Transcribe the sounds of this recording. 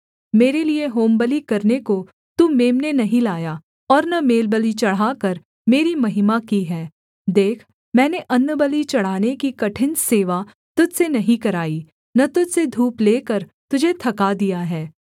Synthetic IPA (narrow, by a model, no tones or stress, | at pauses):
meːɾelieɦoːmbəlikɐɾneko | t̪uːmeːmnenɐɦĩlaːja | ɔːɾnɐmeːlbəlit͡ʃɐɽ̤aːkɐɾ | meːɾimɐɦɪmakiɦɛː | d̪eːkʰ | mɛ̃ːneʔɐnːəbəlit͡ʃɐɽ̤aːnekikɐʈʰɪ̃nd͡ʒseːʋa | t̪ʊd͡ʒsenɐɦĩkɐɾaːi | nɐt̪ʊd͡ʒsed̪ʱuːpleːkəɾt̪ʊd͡ʒʱet̪ʰɐkad̪ijaɦɛː